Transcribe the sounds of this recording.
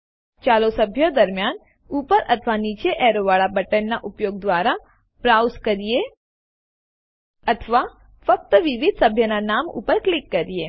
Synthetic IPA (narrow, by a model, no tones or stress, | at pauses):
t͡ʃalosəbʱjod̪əɾmjan | upəɾʔət̪ʰʋanit͡ʃeʔɛɾoʋaɭabəʈənːaʔupjoɡ̚d̪ʋaɾa | pɾawskəɾie | ət̪ʰəʋa | fək̚t̪əʋiʋid̪̚ʱsəbʱjənanamṵpəɾklikːəɾije